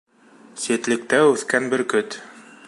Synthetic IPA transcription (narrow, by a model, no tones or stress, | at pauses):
sit̪lɘ̆k̚t̪æʉθkænbɘɾkɵt̪